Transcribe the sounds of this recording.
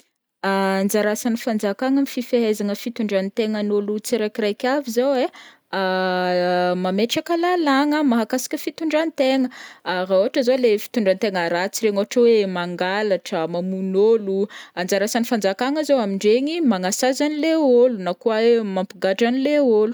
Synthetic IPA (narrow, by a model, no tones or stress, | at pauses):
and͡ʒaɾasanifand͡zakaŋəmififeɦezaŋəfit̪uɳɖ͡ʐanit̪eŋənolut͡siɾajkirajkʲavizawe | a | mameʈ͡ʂakəlalaŋəmaɦakasi̥kʲəfit̪uɳɖ͡ʐanit̪eŋəaraoɦaʈ͡ʂəzolefi̥t̪uɳɖ͡ʐant̪eŋəɾat͡siɾeŋoɦaʈ͡ʂəwemaŋɡalaʈ͡ʂəmamunoluand͡zaɾasanifand͡zakaŋəzowamiɳɖ͡ʐeŋimaŋasazanileolunakuaemampiɡaʈ͡ʂanileolu̥